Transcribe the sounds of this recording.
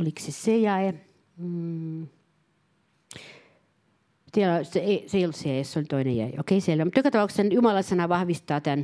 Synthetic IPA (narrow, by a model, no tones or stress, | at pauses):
oliksesejɑe | t̪iælɑst̪eeiseijoltsejæˑesseolʲt̪oinḛjæ̰ˑḛo̰keiseeilːomut̪jokɑt̪ɑpɑukssenjumɑlɑsɑnɑʋɑhʋist̪ɑːt̪æn